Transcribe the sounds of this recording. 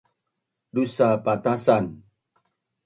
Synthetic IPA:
dusapat̪asan

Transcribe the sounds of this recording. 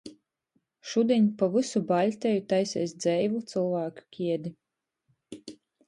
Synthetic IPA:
ʃud̪ʲiɲʲpavɨsubalʲt̪ʲɛjut̪ajsɛjsd̪zɛjvut̪sɨlˠvaːku̥kʲʰiɛd̪ʲi

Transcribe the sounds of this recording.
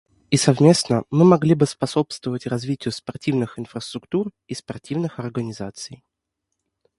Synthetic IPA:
isɐvmʲe̞snəmɨmɐɡlʲibɨspɐso̞pst̪vəvətʲrɐzvʲitʲɪjʊspɐrtʲivnɨxɪnfɾəst̪ɾʊkt̪ur | ispɐrtʲivnɨxɐrɡənʲɪzat̪sɨj

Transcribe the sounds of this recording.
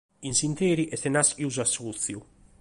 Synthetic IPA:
insint̪eːɾiʔɛθenasiuz̬asut̪θju

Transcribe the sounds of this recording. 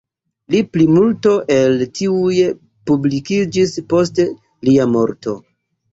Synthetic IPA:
liplimulto̞ʔe̞ltiuje | publikid͡ʒispo̞ste | liamo̞ɾto̞̰

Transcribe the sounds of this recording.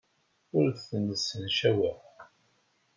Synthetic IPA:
ʊɾθənəsːənʃæwə

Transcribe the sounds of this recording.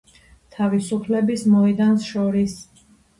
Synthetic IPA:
t̪ʰavisupʰlɛbismɔid̪ansʃɔɾis

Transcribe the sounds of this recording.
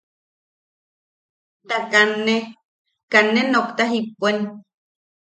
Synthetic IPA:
t̪akanːe | kanːenokt̪aɦipːuen

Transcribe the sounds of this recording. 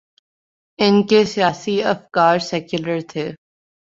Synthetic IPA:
ɪnkesijaːsiɐfkaːɾsɛːkjʊləɾt̪ʰeː

